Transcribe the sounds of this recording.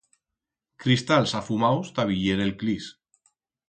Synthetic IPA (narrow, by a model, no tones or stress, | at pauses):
kɾist̪alsafumawst̪aβiʎeɾelklis